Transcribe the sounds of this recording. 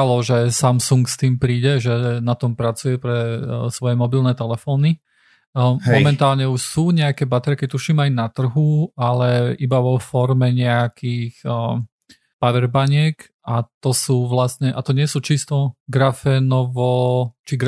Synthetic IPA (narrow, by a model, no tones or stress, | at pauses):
alɔʒɛsamsuŋkst̪iːmpɾiːɟɛʒɛnat̪ɔmpɾat͡sujɛpɾɛsʋɔjɛmɔbilnɛːt̪ɛlɛfɔːni | mɔmɛnt̪aːlɲɛuʃsuːɲɛakɛbat̪ɛɾkɛt̪uʃiːmajnat̪r̩ɦualɛibaʋɔfɔɾmɛɲɛakiːx | paʋɛɾbaɲɪɛk | at̪ɔsuːʋlasɲɛʔat̪ɔɲɪɛsuːt͡ʃist̪ɔɡɾafɛnɔʋɔt͡ʃiɡ